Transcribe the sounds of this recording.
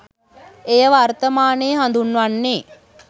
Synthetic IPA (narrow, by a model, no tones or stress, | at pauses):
ejəʋart̪əmaːneːɦand̪unʋanːeː